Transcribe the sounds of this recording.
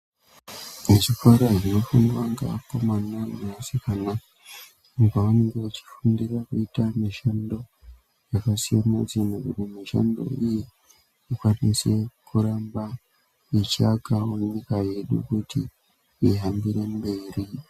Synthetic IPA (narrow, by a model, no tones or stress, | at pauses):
eʐikwaɾaʐinofunwaŋɡa̰ko̞manameasikana | ɡaaneŋɡeut͡ʃi̥fundirakuitamiʃando̞ | jakasijanazinokutimiʃa̰ndo̞̰iji | ikwanise̞kuɾaːmba | it͡ʃaɡawoɲikaje̞ɗṵkuti | iɦambiɾe̞mbe̞ːɾi